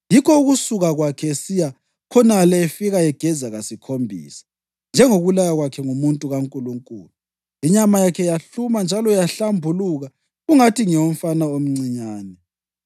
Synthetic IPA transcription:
jikʰɔuɣusuɣaɣwakʰɛesija | kʰɔnalɛefiɣaɛɡ̥ʱɛzaɣasikʰombʱḭːsḁ | nd͡ʒʱɛŋoɣulajaɣwakʰɛŋumuntʼuɣaŋkʼuluŋkʼuːlu | iɲamajakʰɛjaɬumand͡ʒʱalɔjaɬambʱuluɣa | ɣuŋatʰiŋɛwom̩fanaom̩ŋ͡ǀiɲaːnɛ

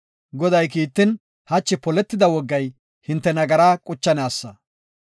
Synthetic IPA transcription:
ɡɔd̪ɐjkiːt̪ːɪn | hɐt͡ʃːɪpɔlɛt̪ːɪd̪ɐwɔɡːɐj | hɪnt̪ːɛnɐɡɐɾaːkʼʊt͡ʃːɐnaːsːɐ

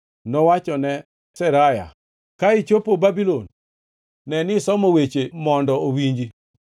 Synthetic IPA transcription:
nɔwat͡ʃɔnɛ | sɛɾaja̰ | kaɪt͡ʃopobabilonː | ɛnɪsɔmowet͡ʃemɔndɔowiɲd͡ʒi

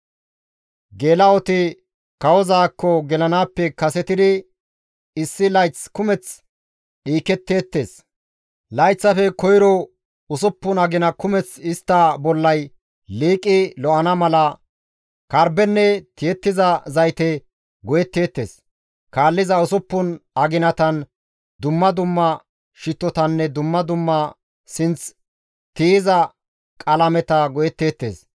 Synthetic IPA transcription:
ɡeːlɐɔt̪ɪ | kɐwɔzaːkːɔɡɛlɐnaːpːɛkɐsɛt̪ɪd̪ɪ | ɪsːɪlɐjt͡skʊmɛt͡s | ɗiːkɛt̪ːe̞ːt̪ːe̞̰ːs | lɐjt͡sːɐfɛkɔjɾɔ | ʊsʊpːʊnɐɡɪnɐkʊmɛt͡sɪst̪ːɐbɔlːɐj | liːkʼɪlɔʔɐnɐmɐlɐ | kɐɾbɛnːɛt̪ɪjɛt̪ːɪzɐzɐjt̪ɛ | ɡɔjɛt̪ːeːt̪ːḛːs | kaːlːɪzɐʊsʊpːʊnɐɡɪnɐt̪ɐn | d̪ʊmːɐd̪ʊmːɐ | ʃɪt̪ːɔt̪ɐnːɛd̪ʊmːɐd̪ʊmːɐ | sɪnt͡s | t̪iːzɐ | kʼɐlɐmɛt̪ɐɡɔjɛt̪ːe̞ːt̪ːeːs

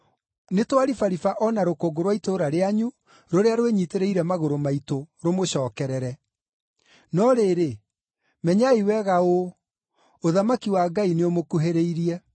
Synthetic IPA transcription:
netwaɾifaɾifaʔɔnaɾokoɡoɾwaitoɾaɾeaɲu | ɾoɾeaɾoweɲiteɾeiɾɛmaɣoɾomaitoɾomoɕɔːkɛɾɛɾɛ | nɔɾeːɾe | mɛɲaiwɛɣao | oðamakiwaɡaineomokuɦeɾeiɾiɛ

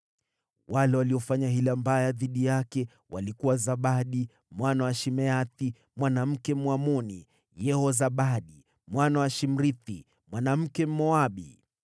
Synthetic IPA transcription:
walɛwaliɔfaɲaɦilambajaðiɗijakɛ | wa̰likuwazaɓaɗi | mwanawaʃimɛati | mwanam̩kɛmwamɔnḭ | jɛhɔzaɓaɗi | mwanawaʃim̩ɾiθi | mwanam̩kɛm̩mɔaɓḭ

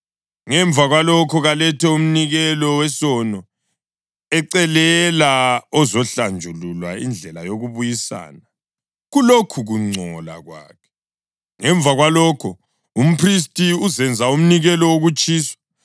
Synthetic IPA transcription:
ŋɛɱvʱaɣwalɔkʰɔɣalɛtʰɛum̩niɣɛlɔwɛsɔnɔ | ɛǀɛlɛlaɔzɔɬand͡ʒʱululwaḭnd͡ɮʱɛlajoɣuβujisa̰ːna | ɣulokʰuɣuŋ͡ǀʱɔla̰ɣwa̰ːkʰɛ̥ | ŋɛɱb̪vʱaɣwalɔkʰɔ | um̩pʰris̬tʼiuzɛnd͡zʱaum̩niɣɛlɔwoɣut͡ʃʼiːswɔ̥

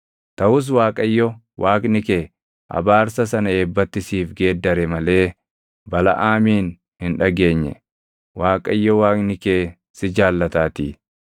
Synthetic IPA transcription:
t̪ɐwʊs̬waːkʼɐjːɔ | wʔaːknɪkeː | ʔɐ̰baːɾsɐsɐnɐeːbːɐt̪ːɪsiːfɡe̞ːd̪ːɐɾɛmɐle̞ː | bɐlɐ̰ʔaːmiːn | hɪnᶑɐɡe̞ːɲːɛ̰ | waːkʼɐjːɔwaːknɪkeː | sɪd͡ʒaːlːɐt̪aːt̪iː

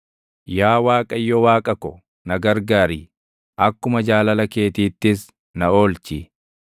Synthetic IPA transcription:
jaːwaːkʼɐjːɔwaːkʼɐkɔ | nɐɡɐɾɡaːɾiː | ʔɐkːʊmɐd͡ʒaːlɐlɐke̞ːt̪iːt̪ːɪs | nɐo̞ːlt͡ʃi

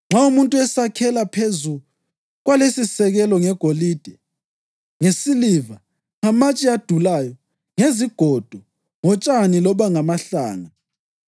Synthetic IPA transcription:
ŋ͡ǁʱaumuntʼuɛsakʰɛlapʰezu | ɣwalesisɛɣɛlɔŋɛɡ̥ʱoliːd̥ʱɛ | ŋesiliva | ŋamat͡ʃʼiad̥ʱulajɔ | ŋeziɡ̥ʱɔd̥ʱɔ | ŋɔt͡ʃʼanilɔβaŋamaɬaːŋa

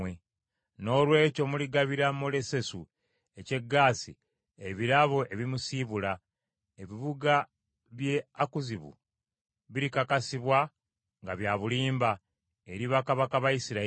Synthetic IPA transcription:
we | no̞ːlwe̞ːco̞muliɡaβiɾamole̞se̞su | e̞ce̞ɡːaːsi | eβiɾaβo̞ʔe̞βimusiβula | e̞βiβuɡa | βjeakuziβṵ | βiɾikakasiβwa | ŋɡaβjaːβuliːmba | eɾiβakaβakaβajisiɾa

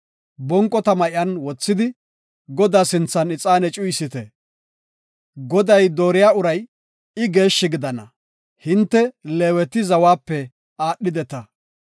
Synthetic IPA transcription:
bɔŋkʼːɔt̪ɐmɐʔɪɐnwɔt͡sːɪd̪ɪ | ɡɔd̪aːsɪnt͡sːɐnɪt͡sʼaːnɛt͡ʃʼʊjsɪt̪ɛ | ɡɔd̪ɐjd̪oːɾɪjaːʊɾɐj | ɪɡe̞ːʃːɪɡɪd̪ɐnɐ | hɪnt̪ːɛleːwɛt̪ɪzɐwaːpːɛ | aːɗːɪd̪ɛt̪ɐ

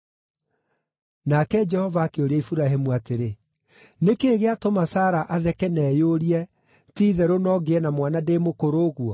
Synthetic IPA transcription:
nakɛd͡ʒɛhɔvaːkeoɾɛifuɾaɦemuateɾe | nekeːɣeatomasaːɾaʔaðɛkɛnɛːjoɾiɛ | tiːðɛɾonɔɡeɛnamwanademokoɾoːɣwɔ

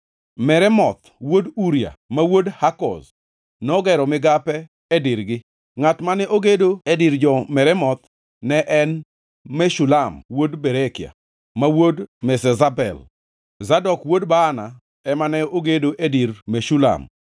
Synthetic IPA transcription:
mɛɾɛmɔt̪ | woduɾja̰mawodhakɔ̰s | nɔɡɛɾɔmɪɡapɛ | ɛdiɾɡɪ | ŋatmanɛʔoɡedoediɾd͡ʒɔmɛɾɛmɔt̪ | nɛʔɛn | mɛʃulamwodbɛɾɛkɪja̰ | mawodmɛsɛzabɛ̰l | zadɔkwodbaːna | ɛmanɛoɡedoʔediɾmeʃula̰m

